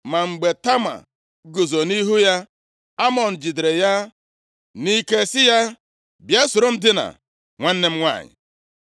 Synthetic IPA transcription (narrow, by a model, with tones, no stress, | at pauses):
ma˨ŋ͡m̩˨ɡ͡be˨ta˦ma̰˨ | ɡo˨zo˨ni˦ɦu˦ja˦ | a˦mɔ˨n̩˨d͡ʒi˨dɾe˨ja˦ | ni˦ke˦sɪ˦ja˦ | bja˦sʊ˨ɾo˦n̩˦dɪ˦na̰˨ | ŋʷa˦n̩˦ne˦m̩˦ŋʷa̰˦˨ɲɪ̰˨